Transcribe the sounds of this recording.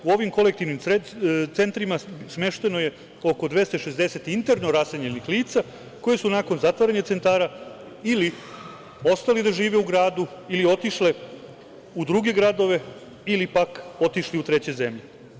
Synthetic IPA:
uo̞ʋimko̞lek̚t̪iʋnimt̪se̞nt̪ɾimasme̞ʃt̪e̞no̞je̞ | o̞ko̞d̪ʋest̪oʃe̞zd̪eset̪int̪e̞ɾno̞ɾaseɲenixliːt̪sa | ko̞jesunako̞nzat̪ʋaɾaɲet̪se̞nt̪aːɾa | ili | o̞st̪alid̪aʒiːʋe̞uɡɾaːd̪uilio̞t̪iʃle̞ | ud̪ɾuɡe̞ɡɾad̪o̞ʋe̞ | ilipako̞t̪iʃliut̪ɾe̞t͡ɕe̞ze̞mʎe

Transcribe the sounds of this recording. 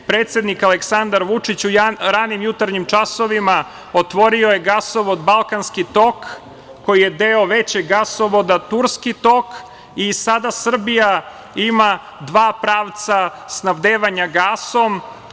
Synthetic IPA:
pɾeːt̪sjed̪nikaleksand̪aɾʋut͡ʂit͡ɕuaɾanimjut̪aɾɲimt͡ʃaso̞ʋima | ot̪ʋo̞ɾiojeɡasoʋod̪balˠkanskit̪o̞kː | o̞jije̞d̪eoʋe̞t͡ɕeɡɡasoʋod̪at̪uɾskit̪o̞k | isad̪asr̩bija | ima | d̪ʋaːpɾaːʋt̪sasnaʋd̪eːʋaɲaɡaːsom

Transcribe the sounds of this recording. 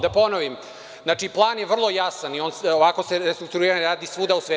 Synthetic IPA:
d̪aponoʋim | znaːt͡ʂiplˠaːnjeʋr̩lˠo̞jasanioːnoʋako̞seɾest̪ɾuk̚t̪uɾiːɾanɾaːd̪isʋud̪ausʋe

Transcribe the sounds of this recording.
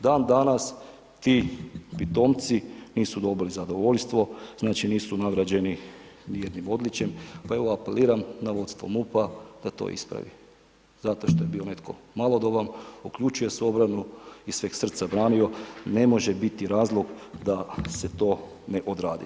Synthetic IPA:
d̪aːnd̪anas | t̪ipit̪o̞ːmt̪siniːsud̪o̞bilizad̪o̞ʋo̞ʎst̪ʋo̞znaːt͡ʃiniːsunaɡɾad͡ʑe̞ni | nije̞d̪nimo̞d̪lit͡ɕe̞mpae̞ʋo̞apeliːɾamnaʋo̞t̪st̪ʋo̞̰mupad̪̥at̪o̰ːʔḭspɾa̰ʋḭ | z̥at̪o̞ʃt̪oje̞biːo̞ne̞t̪ko̞̰ | malˠo̞d̪obamukʎut͡ʃuje̞so̞bɾanuisʋeːɡsr̩t̪sabɾaːnio̞ne̞mo̞ʒebit̪iɾaːzlˠoɡd̪ase̞t̪o̞ː | neʔod̪ɾaːd̪ḭ

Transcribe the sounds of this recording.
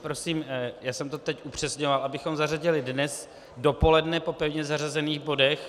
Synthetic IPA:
pɾo̞siːmjaːsɛmt̪o̞t̪ɛcʔupr̝̥ɛsɲo̞valʔabɪxo̞mzaraɟɪlɪdnɛs | do̞po̞lɛdnɛpo̞pɛvɲɛzarazɛniːɣbo̞dɛx

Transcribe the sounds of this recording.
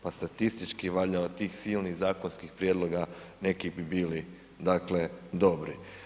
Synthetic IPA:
past̪at̪ist̪it͡ʃkiʋaʎaat̪iːxsiːlniɣzaːkonskixpɾjed̪lo̞ɡane̞kibibiːli | d̪akle̞d̪o̞bɾi

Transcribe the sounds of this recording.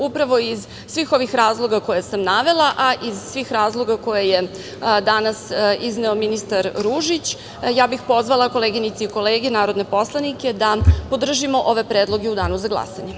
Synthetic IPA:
upɾaʋo̞iz | sʋiːxo̞ʋixɾaːzlˠo̞ɡako̞jesamnaʋe̞lˠaʔaʔizsʋiːxɾaːzlˠo̞ɡako̞jeje | d̪anasizneominist̪aɾɾuʒit͡ɕ | jaːbixpo̞zʋalˠako̞leːɡinit̪siiko̞leːɡenaːɾo̞d̪ne̞po̞slˠanike̞d̪apo̞d̪r̩ʒimo̞ʔo̞ʋe̞pɾeːd̪lˠo̞ɡeud̪aːnuzaɡlˠa̰sa̰ɲe

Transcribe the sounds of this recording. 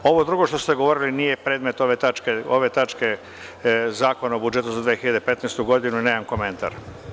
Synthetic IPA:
o̞ʋo̞d̪ɾuɡo̞ʃt̪ost̪eɡo̞ʋo̞ɾilinije̞pɾeːd̪me̞t̪oʋet̪at͡ʃkeoʋe̞t̪at͡ʃke̞ | zaːko̞naobud͡ʒet̪uzad̪ʋiːexiʎad̪epe̞t̪nejst̪uɡo̞d̪inuineːmanko̞me̞nt̪a̰ɾ

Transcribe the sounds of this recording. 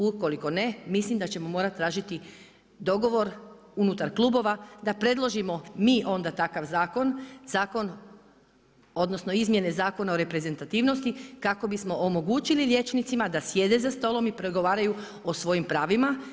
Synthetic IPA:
uko̞liko̞ne̞mislimd̪at͡ɕe̞mo̞mo̞ːɾat̪ːɾaːʒit̪i | d̪o̞ɡo̞ʋo̞ɾ | unut̪aɾklˠuːbo̞ʋad̪apɾe̞d̪lˠo̞ʒimo̞miːʔo̞nd̪at̪akaʋzaːko̞nz̥aːko̞n | o̞d̪no̞sno̞izmje̞ne̞zaːko̞naoɾe̞pɾe̞ze̞nt̪at̪iːʋno̞st̪ikako̞bismo̞ʔomo̞ɡuːt͡ɕililje̞t͡ʃnit̪simad̪asje̞d̪e̞zast̪o̞lˠo̞mipɾoɡo̞ʋaːɾaju | osʋo̞jimpɾaːʋima

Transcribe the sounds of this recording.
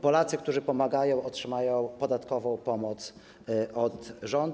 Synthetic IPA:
pɔlat̪sɘk̚t̪uʐɘpɔmaɡajɔ̃w̃ɔtʂɘmajɔ̃w̃pɔd̪at̪kɔvɔ̃w̃pɔmɔt̪s | ʔɔt̪ʐɔnd̪

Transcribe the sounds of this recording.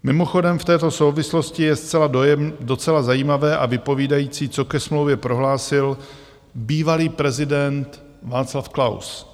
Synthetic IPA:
mɪmo̞xo̞dɛmft̪ɛːt̪o̞sowvɪslo̞scɪjɛst͡sɛladɛdo̞t͡sɛlazajiːmavɛːʔavɪpo̞viːdajiːt͡siːt͡so̞kɛsmlowvjɛpɾo̞ɦlaːsɪl | biːvaliːpɾɛzɪdɛnt̪ | vaːslafklaws

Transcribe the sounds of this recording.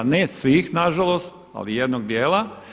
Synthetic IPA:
nesʋiːxnaʒalo̞st̪̚ | a̰lijed̪noɡd̪jeːla

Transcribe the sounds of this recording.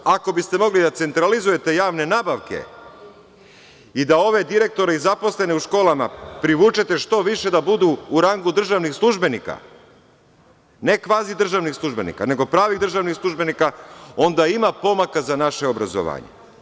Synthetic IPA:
ako̞bist̪e̞mo̞ɡlid̪at̪se̞nt̪ɾalizuje̞t̪e̞jaːʋne̞naːbaʋke̞̰ | id̪ao̞ʋe̞d̪iɾe̞k̚t̪o̞ɾeizapo̞sle̞neuʃko̞ːlˠamapɾiʋuːt͡ʃet̪e̞ʃt̪o̞ʋiʃe̞d̪abud̪uːɾaŋɡud̪r̩ʒaʋnixslˠuʒbe̞nika̰ | ne̞kʋaːzid̪r̩ʒaʋnixslˠuʒbe̞nḭka̰ne̞ɡo̞pɾaːʋiɣd̪ɾr̩ʒaʋnixslˠuʒbe̞nikao̞nd̪aimapo̞makazanaʃe̞obɾa̰zo̰ʋa̰ːɲḛ

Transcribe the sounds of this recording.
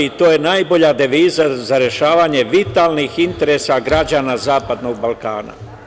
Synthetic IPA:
it̪oːje̞naːjbo̞ʎad̪e̞ʋiːzazaɾje̞ʃaːʋaːɲe̞ʋit̪aːlˠnixint̪e̞ɾesaɡɾad͡ʑaːnazaːpad̪no̞ɡ̚balˠka̰ːna̰

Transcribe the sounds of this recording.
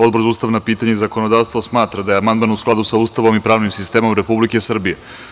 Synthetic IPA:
o̞d̪̚bɾzuːst̪aʋnapiːt̪aɲeizako̞nod̪aːʋst̪ʋosmaːt̪ɾad̪ajeamand̪maːnusklad̪usauːst̪aʋo̞mipɾaːʋnimsist̪e̞ːmo̞mɾepublike̞sr̩bije

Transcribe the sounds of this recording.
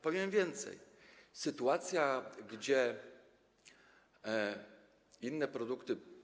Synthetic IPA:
pɔvʲjɛmvʲjɛnt̪sɛ̰jsɘt̪uat̪sʲjaɡd͡ʑɛ | inːɛpɾɔd̪ukt̪ɘ

